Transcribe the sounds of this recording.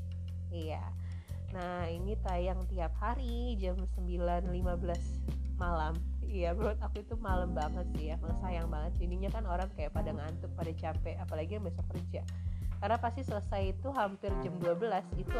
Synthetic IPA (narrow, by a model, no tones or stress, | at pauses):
ija̰ | nah | init̪ajaŋt̪iap̚haɾid͡ʒamsəmbilanlimabəlas | malam | ijabəɾwat̪akuit̪umalambaŋət̪̚sɪjaməŋsajaŋbaŋət̪̚t͡ʃiniɲakanoɾaŋkajaʔpadaŋant̪ʊk̚padat͡ʃapɛapalaɡijaŋbiasɔkːərd͡ʒa | kaɾənapast̪isələsajit̪uɦampɪrd͡ʒamduabəlasit̪u